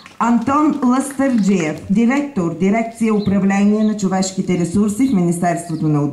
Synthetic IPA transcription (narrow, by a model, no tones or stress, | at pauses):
ɐnt̪ɔnlˠəst̪əɾd͡ʒiɛfd̪iɾɛk̚t̪oɾd̪iɾɛk̚t̪sijəʊpɾɐvlɛniɛnɐt͡ʃovɛʃkit̪ɛɾɛsuɾsifminist̪ɛɾst̪vot̪onɐʊ